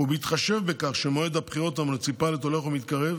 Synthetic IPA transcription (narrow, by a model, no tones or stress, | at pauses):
ubeit̪χaʃe̞vbekaχʃemoed̪hapχiʁo̞t̪amoet͡sipaleto̞leχumit̪kaʁev